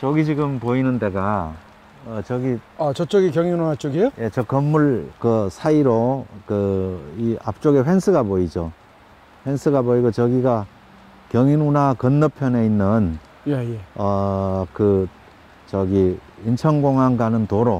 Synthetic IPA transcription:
t͡ɕʌɡit͡ɕiɡɯmpoinɯnde̞ɡa | ʌt͡ɕʌɡiat͡ɕʌt͡ɕ͈ʌɡikjʌŋiunat͡ɕoɡejoje̞t͡ɕʌkʌnːuɭkɯsʰaiɾokɯiap̚t͡ɕ͈oɡeɸwensʰɯɡapoid͡ʑo | ɸwensʰɯɡaboiɡot͡ɕʌɡiɡa | kjʌŋinunakʌnːʌpʰjʌne̞inːɯn | jejeʌkɯ | t͡ɕʌɡiint͡ɕʰʌŋɡoŋɦanɡanɯntoɾo

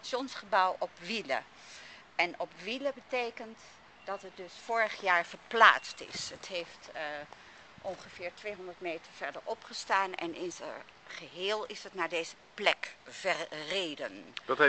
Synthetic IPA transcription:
sjɔnsχəbʌwʔɔpʋilə̰ | ɛnɔpʋiləbətejkənt | dɑtət̚dɵsfʊːɹəχjaːɹv̥əɹpla̰ːstɪ̰sɦətɦejft | ʔɔnχəv̥ɪːɹtʋejɦɔndəɹtmeːjtəɹv̥ɛɹdəɹɔpχəstaːnɛ̰nɪnzə | χəɦɪːlˠɪsətnaːɹdeːzəplɛkv̥ɛrreːdəndɑtɛ

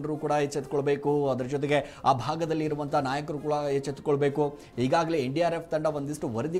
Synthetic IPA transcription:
ɳɖɐɾuːkuːɽɐɦet͡ʃːet̪koɭbe̞ːkuɐd̪ɐɾɐd͡ʒɔt̪̬eɡe̞aːbʱaːɡɐd̪ɐlːiːɾuʋɐnt̪ʰɐnaːjɐkɾuːkuːɽɐet͡ʃːet̪u̥koɭbe̞ːku | ɦiːɡaːɡɐleeɳɖijaːɾepʰt̪ɐɳɖɐʋond̪isʈuʋɐɾɐd̪i

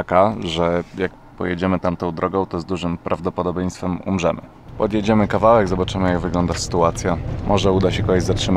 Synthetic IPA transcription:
akaʐɛjak | pɔ̰jed͡ʑɛmɘt̪amt̪ɔ̃w̃d̪ɾʔɔɡɔ̃w̃t̪ɔzd̪uʐɘmpɾʔavd̪ɔpɔd̪ɔbʲjej̃st̪fɛmṵmʐɛmɘ̰ | pɔd̪jed͡ʑɛmɘkavawɛɡzɔbat͡ʂɘmɘjaɡvɘɡlɔnd̪asɘ̥t̪uat̪sʲjamʔɔʐɛud̪aɕɛkɔɡɛd͡ʑʲzatʂɘm

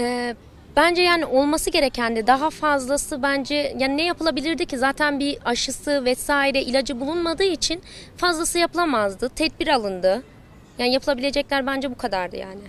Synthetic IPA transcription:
ɛː | b̥ænd͡ʒɛjaːniʔo̞lˠmasɯɟe̞ɾecʰænd̪ɛd̪aɦafazlˠasɯbænd͡ʒɛjaːninɛjapʰɯlˠabilʲiɾd̪icʰizaːt̪ʰænbiaʃɯsɯvɛsaːiɾɛʔilʲad͡ʒɯbulˠunmad̪ɯːit͡ʃʰinfazlˠasɯjapɯlˠamazd̪ɯt̪ʰɛd̪̚biɾalˠɯnd̪ɯ | jaːnijapʰɯlˠabilʲe̞d͡ʒɛclʲæɾbænd͡ʒɛbukʰad̪aɾd̪ɯ̰ja̰ːnɪ

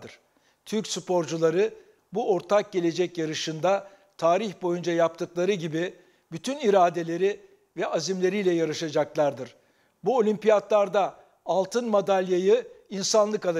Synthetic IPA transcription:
d̪ɯɾ̥ | t̪ʰyɾcsupo̞ɾd͡ʒulˠaɾɯ | buo̞ɾt̪ʰak̚ɟe̞lʲe̞d͡ʒɛcjaɾɯʃɯnd̪a | t̪ʰaːɾiçbo̞jund͡ʒajap̚t̪ʰɯklˠaɾɯɟibi | byt̪ʰyniɾaːd̪e̞lʲe̞ɾi | vɛazimlʲe̞ɾijlʲɛjaɾɯʃad͡ʒaklˠaɾd̪ɯɾ̥ | buo̞lʲympijat̪lˠaɾd̪aː | lˠt̪ʰɯnmad̪alʲjajɯinsanlˠɯkalˠ

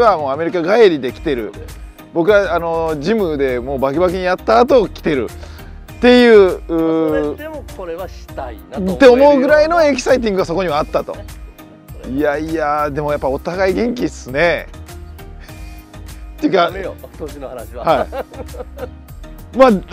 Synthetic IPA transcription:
eβamo̞ːame̞ɾʲikaɡaeɾʲid̪e̞kʲi̥t̪e̞ɾɯ̟̰ | bo̞kɯ̟βaano̞d͡ʑimɯ̟d̪e̞mo̞ːbakebak̬eɲ̟ijat̪ːaːt̪o̞ːkʲi̥t̪e̞ɾɯ̟̰ | t̪e̞jɯ̟ːɯ | oɾeaɕi̥ait̪ːe̞omo̞ɯ̟ɡɯ̟ɾaino̞e̞kʲi̥sait̪̬ĩŋɡɯ̟ɡaso̞ko̞ɲ̟iβaːt̪ːat̪o̞̰ | iaiad̪e̞mo̞japːao̞t̪aɡaiɡẽ̞ŋk̬ʲisɨne̞ | t̪ːeɯ̟kaoɕinohanɕhai | ma

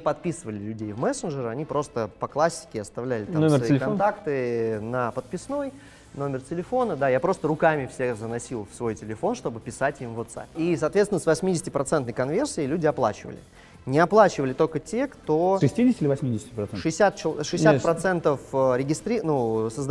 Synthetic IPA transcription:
pɐt̪̚pʲisɨvəlʲɪlʲʉdʲejvmɛsɨnʐɨɾəɐnʲipɾo̞st̪əpɐklˠasʲːɪ̥kʲɪɐst̪ɐvlʲælʲɪt̪amnomsʲɪvɐiɪlʲɪkɐnnt̪akt̪ɨnəpət̪̚pʲɪsno̞j | no̞mʲɪrtʲɪlʲɪfo̞nəd̪ajapɾo̞st̪əɾʊkamʲɪfsʲexzənɐsʲilˠfsvo̞jtʲɪlʲɪfo̞nʂt̪o̞bɨpʲɪsatʲimvot̪sa̰pʲis̬ɐːt̪vʲest̪ʲɪnəsvɐsʲmʲidʲɪsʲɪtʲɪpɾɐt̪sɛnt̪nəjkɐnvʲe̞rsʲɪːlʲʉdʲɪɐplˠa̰t͡ɕɪvə̰lʲɪ̰ | nʲɪɐplˠat͡ɕɪvəlʲɪt̪o̞lʲkətʲe̞kt̪oʂɨsʲtʲidʲɪsʲɪtʲɪlʲɪvɐsʲmʲidʲɪsʲtʲɪpɾɐt̪sɛʂɨɪsʲat̪̚t͡ɕɪʂɨɪssʲapɾɐt̪sɛnt̪əfəɾʲɪɡʲɪst̪ɾʲinusəzd̪

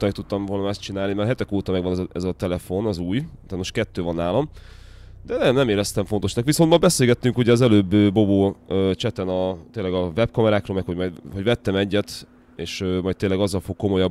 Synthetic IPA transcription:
mɛkt̪ut̪ːɒmvoːlnɒmɛst̪t͡ʃinaːlnimɛrɦɛt̪ɛkoːt̪ɒmɛɡʋɒnzʔɛzɒt̪ɛlɛfo̞nɒzuːjt̪aːnːoʃkɛt̪ːøːvɒnːaːlɒm | d̪ɛnɛnɛmeːlɛst̪ɛmɱfo̞nt̪o̞ʃnɒkʋiso̞nmɒbɛseːlɡɛt̪ːyŋkhuɟɛːzɛløːbːøːoboːøːt͡ʃɛt̪ɛnɒt̪eːlːɛɡɒvɛb̚kɒmɛɾaːkɾroːlmɛkho̞ɟmɒjd̪ɦo̞ɟvɛt̪ːɛmɛɟːɛt̪ | eːʃøːmɒjt̪eːlːɛɡɒzːɒlfo̞kːo̞mo̞jɒb

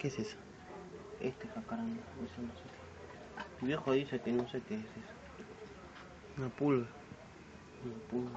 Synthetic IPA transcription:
kesesḁ | ḛst̪ekakaɾand̪aisanasot̪e | t̪iβjexoðisekenõsekeːsesḁ | napulɣa | napulβa

